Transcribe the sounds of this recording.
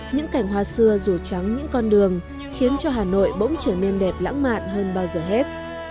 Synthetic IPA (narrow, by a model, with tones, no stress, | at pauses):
ɲɨ̰˧˥ŋka˧˩jŋ̟hwaː˧sɨ˧əzu˧˩t͡ɕa˨˦ŋɲɨ̰˧˥ŋkɔ˧nɗɨ˨˩əŋ | xi˨˦ənt͡ɕɔ˧ɦaː˨˩no̰˧˨jɓo̰˧˥ŋ͡mt͡ɕəː˧˩ne˧nɗɛ˨˩p̚la̰ː˧˥ŋma̰ː˧˨nɦəː˧nɓaː˧wzəː˨˩ɦe˦˥t̚